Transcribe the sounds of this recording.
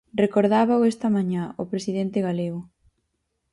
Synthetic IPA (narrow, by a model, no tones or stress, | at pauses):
rekoɾðaβawɛst̪ɐmãɲaopɾesið̞ent̪eɣaleɣʊ